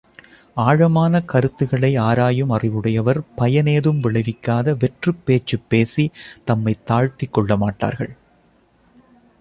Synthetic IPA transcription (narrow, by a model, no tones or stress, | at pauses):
aːɻɐmaːnɐkɐɾɯt̪ːɯɣɐɭɐɪaːɾaːjɯmɐrɪʋɯɽɐjɐʋɐɾpɐjɐneːðɯmʋɪɭɐɪʋɪkːaːðɐʋɛʈrɯpːeːt͡ʃːɯpːeːsit̪ɐmːɐɪt̪ːaːɻt̪ɪkːɔɭːɐmaːʈːa̰ːɾɣɐ̰ɭ